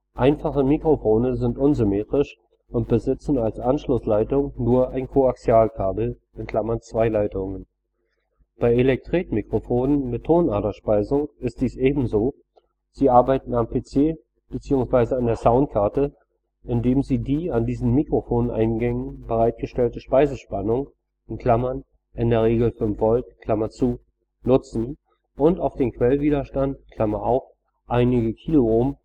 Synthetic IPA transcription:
ʔaɪnfaχəmikʁ̥ofoːnəzɪntʔʊnzʏmeːtʁ̥ɪʃ | ʊnt̚b̥əzɪt͡sn̩alsʔanʃlʊslaɪtʊŋnuːɐʔaɪnkʰoaksjaːlkʰaːbl̩ | ɪnkl̥amɐnt͡sv̥aɪlaɪtʊŋən | b̥aɪelɛk̚tʁ̥eːtmikʁ̥ofoːnənmɪtʰːoːnaːtɐʃpaɪzʊŋɪst̚d̥iːsʔeːbm̩zoː | z̥iːʔaɐbaɪtn̩ampʰet͡seː | b̥ət͡siːʊŋsv̥aɪzəandeːɐzaʊnt̚kʰaɐtə | ʔɪndeːmziːdiːandiːzn̩mikʁ̥ofoːnʔa̰ɪnɡɛŋən̩bəʁaɪt̚ɡ̥əʃtɛltəʃpaɪzəʃpanʊŋ | ʔɪnkl̥amɐn | ʔɪndeːɐʁ̞eːɡl̩fʏmfv̥ɔltkʰl̥amɐt͡suː | nʊt͡sn̩ | ʔʊntaʊfd̥eːmkv̥ɛlviːɾɐʃtantkʰl̥amɐʔaʊf | ʔaɪnɪɡəkʰiːloʊm

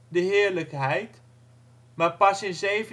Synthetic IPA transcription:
dəɦɪːɹləkɦɛjt | maːɹpɑsɪnzejvə

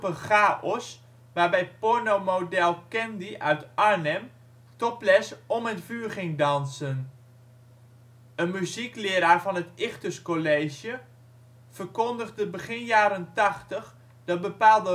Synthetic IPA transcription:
pəχaːʔɔs | ʋaːɹbɛjpɔɹnomodɛlˠkɛndiʔœɥtʔaɹnɛm | tɔplɛsɔmətfyːɹχɪŋdɑnsən | ənmyziklɪəɾaːɹvɑnətɪxtəskoleːʒjə | v̥ərkɔndəɣdəbəɣɪnjaːɾəntɑχtəχ | d̥ɔt̚bəpaːlˠdə

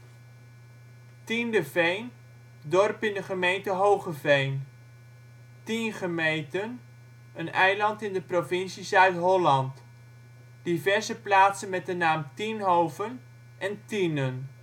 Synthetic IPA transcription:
tindəvejn | dɔrpɪndəχəmejntəɦowχəvejn | tinχəmejntən | ənɛjlɑntɪndəprovɪnsisœɥtɦɔlɑnt | d̥ivɛɹzəplaːtsənmɛt̚dənaːmtinɦowvən | ʔɛntinən

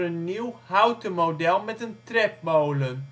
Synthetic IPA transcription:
ənːiwhawtəmowdɛlˠmɛtəntrɛp̚bowlə

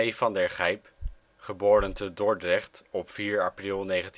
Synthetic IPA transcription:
ejfɑndəɹχɛjp | χəboːɾəntədɔɹdrɛχtɔpfiːɹaprilˠnejχənt

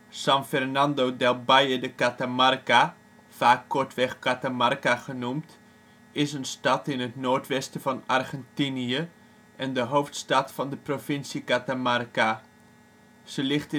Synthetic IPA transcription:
sɑnfɛrnɑndodɛlˠbajədəkatamarka | faːkːɔɹtʋɛχkatamarkaχənumt | ɪsənstɑtɪnətnoːɹtʋɛstəvɑnarχɛntiniə | ʔɛndəɦowftstɑtfɑndəprofɪnsiəkatamarka | səlɪχt

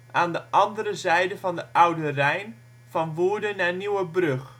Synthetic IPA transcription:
ʔaːndəʔɑndəɾəzɛjdəvɑndəʔʌwdərɛjn | v̥ɑnʋuːɹdənaːniwəbrɵχ

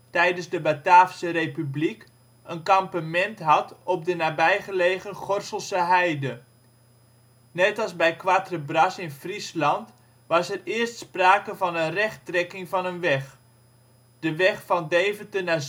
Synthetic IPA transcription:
tɛjdənsdəbataːfsərepyblik | ənkɑmpamɛntɦɑtɔp̚dənaːbɛjχəleːχənχɔrsəlˠsəɦɛjdə | nɛtɑlˠsbɛjkʋatrəbrɑsɪnfrislɑnt | ʋɑsɛrɪərstspraːkəvɑnənrɛχtrɛkɪŋvɑnənʋɛχ | d̥əʋɛχfɑndeːvətəna

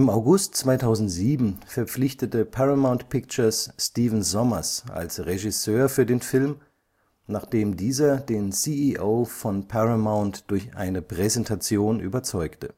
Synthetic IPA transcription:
ɪmaʊɡʊstt͡sv̥aɪtʰaʊzn̩tz̥iːbm̩fɛɐp͡flɪçtətəpʰaʁamaʊ̃ntpʰɪkt͡ʃɐsːtiːvn̩zɔmɐsʔa̰lsʁeʒɪsøːɐfyːɐdeːnfɪlm | naːχd̥eːmdiːzɐdeːnsiːiʔoːfɔnpʰaʁamaʊntd̥ʊɐçʔa̰ɪnəpʁ̥ɛzɛntʰat͡sjoːnʔy̰ːbɐt͡sɔʏktə

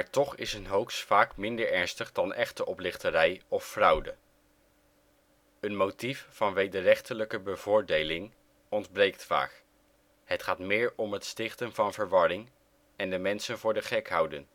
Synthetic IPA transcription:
maːɹtɔχɪ̰sənɦowksfaːkmɪndəɹɛɹnstəχdɑnɛχtəʔɔplɪχtəɾɛjɔfːrʌwdə̰ | ənmowtiffɑnʋejdərɛχtələkəbəvʊːɹdejlɪŋ | ɔndbrejk̚tfa̰ːk | ɦətχaːtmɪːɹɔmɦətstɪχtənvɑnvəɹʋɑɹɪŋ | ɛndəmɛnsənvʊːɹdəχɛkɦʌwdən

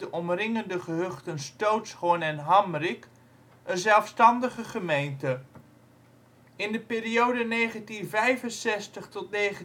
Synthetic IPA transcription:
dəʔɔmrɪŋəndəχəɦɵχtənstowtsχonɛnɦɑmrɪk | ənzɛlˠfstɑndəχəχəmejntə | ɪndəpɪːɾiowdənejχəntinvɛjvənsɛstəχtɔtnejχə

